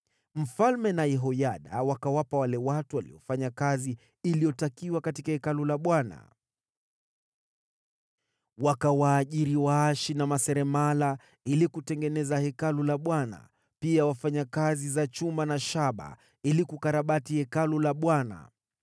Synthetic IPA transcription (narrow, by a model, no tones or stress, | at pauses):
m̩falmɛnajɛɦɔjaɗa̰wakawapawalɛwatuwalḭɔfaɲakaziː | lijɔtakiwakatikahɛkalulaɓwana̰ | wakawaːʄiɾiwaaʃinamasɛɾɛmala | ilikutɛŋɡɛnɛzahɛkalulaɓwana̰ | piawafaɲakazizat͡ʃumbanaʃaɓa̰ | ilikukaɾaɓatihɛkalulaɓwana̰